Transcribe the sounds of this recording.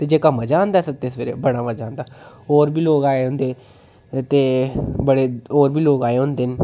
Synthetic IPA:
t̪eːd͡ʒeːkəmːad͡ʒãːnd̪aːsət̪esʋeːɾḛːbəɽaːməd͡ʒãːnd̪aːɦoːɾbiːloːkaːeːõːnd̪eː | t̪eːbəɽeːoːɾbiːloːkaːeːoʊ̃nd̪eːn

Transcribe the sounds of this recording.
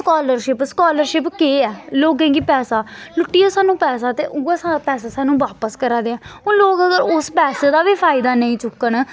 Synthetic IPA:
skaːləɾʃɪpskaːləɾʃɪpkeːɛːloːɡɛ̃ːkiːpɛːsaːlʊʈːiːaːsaːnũːpɛːsaːt̪eːʔʊɡasapɛːs̬aːsaːnũːʋaːpəskəɾaːd̪eːãːõːloːkəɡəɾʊspɛːseːd̪aːʋiːpʰaːɪd̪aːnəĩːt͡ʃʊkːəɳ

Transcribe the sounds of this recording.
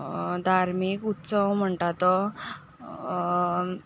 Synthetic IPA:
d̪ʱaɾmikut̪səwm̤əɳʈat̪ɔ

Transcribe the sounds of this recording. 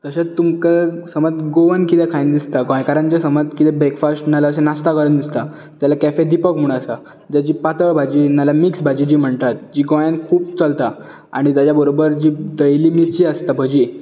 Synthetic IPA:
k̪əɕet̪umkəsəmət̪ɡoʋənkit̪ɛkʰajnd̪ist̪aɡɔ̃jkaɾãnt͡ɕasəmət̪kit̪ɛbekfasʈnalaəsenast̪akəɾənd̪ist̪a | t̪jalakæfed̪ipəkmuɽ̃asa | d͡ʑ̪at͡ɕiːpat̪əɭbʱad͡ʑiːnalamiksbʱad͡ʑid͡ʑiːm̤əɳt̪at̪̚d͡ʑiːɡɔ̃jankʰuːp̚t͡səlt̪a | a̰ɽ̃it̪jad͡ʑjabəɾobəɾd͡ʑiːd̪əjliːmiɾt͡ɕiəst̪abʱəd͡ʑiː

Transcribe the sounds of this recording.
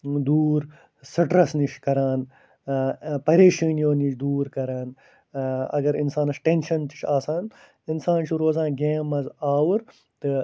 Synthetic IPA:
d̪uːɾ | sɨʈɾɐsniʃkɐɾaːn | pɐɾeːʃɐːnjoːniʃʰd̪uːɾkɐɾaːn | ɐ̰ɡɐɾinsaːnɐsʈenʃɐnt̪i̥ʃʰaːsaːn | insaːnt͡ʃʰuɾoːzãːnɡeːmɐzaːwuɾ | t̪ɨ

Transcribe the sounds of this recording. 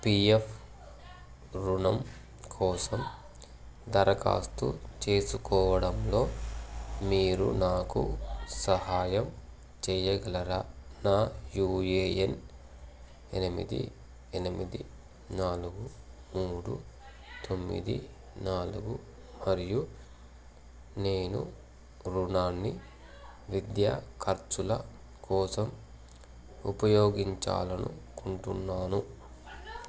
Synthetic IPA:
piepʰ | ɾunɐm | kʰɔːsɐm | d̪ɐɾɐka̰ːst̪ṵt͡ʃe̞ːsukɔːʋɐɽɐmlo̞ː | miːɾṵnaːkṵsɐɦaːjɐm | t͡ʃɛjɐɡɐlɐɾanaːjuːjeːjen | enimḭd̪ḭ | enimid̪i | naːluɡu | muːɽu | t̪ʰo̞mːḭd̪ḭ | naːluɡu | mɐɾiju | neːnṵ | ɾunaːnːi | ʋid̪jaːkʰɐɾt͡ʃulɐ | kʰɔːsɐm | upɐjoːɡiɲt͡ʃa̰ːlɐnṵkuɳʈunːaːnu

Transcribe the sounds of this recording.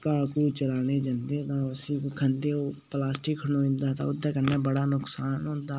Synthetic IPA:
kaːkuːt͡ʃəlaːneːd͡ʒənd̪eːt̪ãəsikːkʰənd̪eoːplaːsʈɪkʰːənoːɪ̃nd̪aːt̪a̰ʊd̪aːkənːabəɽaːnʊksaːnɦõːnd̪aː

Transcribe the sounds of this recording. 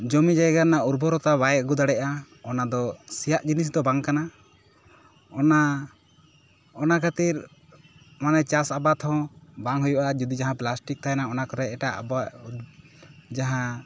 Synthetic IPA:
d͡ʒɔmid͡ʒajɡanauɾbɔɾɔt̪abajɛɡud̪aɽɛʔa | ɔnad̪ɔsijaʔd͡ʒinis̬d̪ɔbaŋkana | ɔna | ɔnakʰat̪iɾ | manɛt͡ʃasabat̪hɔ̃baŋɦujɔʔad͡ʒud̪id͡ʒaɦãplasʈik̚t̪ʰajɛnaɔnakɔɾɛːʈaʔa̰ba | d͡ʒaɦã

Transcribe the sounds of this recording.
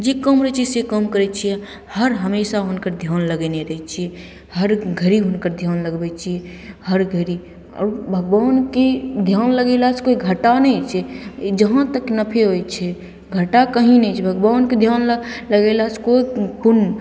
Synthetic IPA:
d͡ʒekəmɾəɦt͡ʃʰisekəmkəɾɛt͡ʃʰijɛ | həɾɦəmesaɦʊnkəɾd̪ʱjaːnləɡɛneɾəɦɛt͡ʃʰiɛ | həɾɡʱəɾiɦʊnkəɾd̪ʱjaːnləɡbɛt͡ʃʰiɛ | həɾɡʱəɾi | ɔ̰ːɾbʱəɡbaːnked̪ʱjaːnləɡelaɦt͡ʃʰkoiɡʱəʈanəit͡ʃʰɛd͡ʒəɦãt̪əknəpʰeɦojt͡ʃʰɛ | ɡʱəʈakəɦĩnɛt͡ʃʰɛbʱəɡbaːnked̪ʱjaːnləɡɛlaɦt͡ʃʰkoipun

